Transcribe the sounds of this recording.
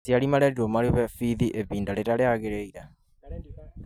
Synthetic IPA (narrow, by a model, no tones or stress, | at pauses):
tialimaɾɛɾiɾomaɾeβɛfiðiʔeβiːndaleɾaleaɣeɾeiɾa